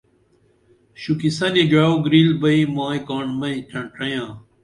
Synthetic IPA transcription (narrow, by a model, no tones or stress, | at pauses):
ɕukisɐniɖaoɡɾiːlbɐimaːikaːɳmɐ̃ĩʈʰɐɳʈɐjãː